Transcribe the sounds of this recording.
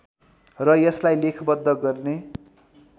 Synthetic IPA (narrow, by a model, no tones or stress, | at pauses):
rʌjʌslajlekʰbʌd̪ːʌɡʌrne